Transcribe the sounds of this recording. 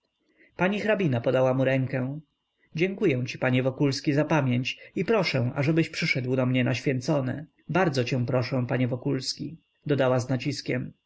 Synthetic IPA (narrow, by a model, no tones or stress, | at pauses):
paɲixɾabʲinapɔd̪awamuɾɛŋkɛ̃ | d͡ʑɛŋkujɛ̃w̃t͡ɕi̥paɲɛvɔkulskʲizapamʲjeɲt͡ɕipɾɔʂɛ̃w̃ʔa̰ʐɛbɘɕpʂɘʂɛd̪wd̪ɔmɲɛnaɕfʲjɛnt̪sɔnɘ̰ | baɾd̪zɔt͡ɕɛ̃w̃pɾɔʂɛ̃paɲɛvɔkulskʲi | d̪ɔd̪awaznat͡ɕiskʲɛm